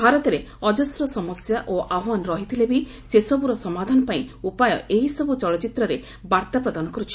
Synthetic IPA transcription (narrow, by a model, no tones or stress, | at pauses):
bʱaɾɔt̪ɔɾe | ɔd͡ʒɔsɾɔsɔmɔsjaʔoʔaɦwanɔɾɔɦit̪ʰilebi | sesɔbuɾɔsɔmad̪ʱanɔpaĩupajɔ̰ʔeɦisɔbut͡ʃɔɭɔt͡ʃit̪ɾɔɾe | baɾt̪apɾɔd̪anɔkɔɾut͡ʃʰi̥